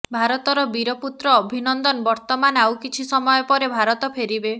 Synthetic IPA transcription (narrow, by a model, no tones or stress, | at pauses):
bʱaɾɔt̪ɔɾɔbiɾɔput̪ɾɔːbʱinɔnd̪ɔnbɔɾt̪ɔmanawkit͡ʃʰisɔmɔjɔpɔɾebʱaɾɔt̪ɔpʰeɾibe